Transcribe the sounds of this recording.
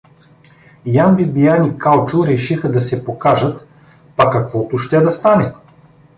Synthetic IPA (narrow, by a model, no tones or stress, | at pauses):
janbibijanikalˠt͡ʃʊɾɛʃixəd̪ɐsɛpokaʒət̪ | pɐkɐkvɔt̪ʊʃt̪ɛd̪ɐst̪anɛ